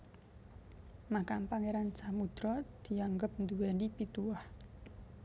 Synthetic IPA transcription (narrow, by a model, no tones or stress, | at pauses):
makampaŋeɾant͡ʃamud̪̥ɾɔd̪̥i̤aŋɡəp̚nd̪uwɛnipit̪uwah